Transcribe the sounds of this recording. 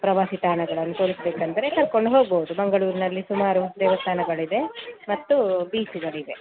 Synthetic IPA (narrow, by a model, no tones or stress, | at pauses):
pɾɐʋaːsiʈ̪aːɳɐɡɐɭɐnːut̪oːɭisbeːkɐnt̪ɐɾekɐɾko̞ɳɖɦo̞ːɡ̚boud̪ubɐŋɡɐɭuːɾinɐlːisumaːɾud̪eːʋɐst̪aːnɐɡɐɭid̪e̞mɐt̪ːubiːsiɡɐɭid̪e̞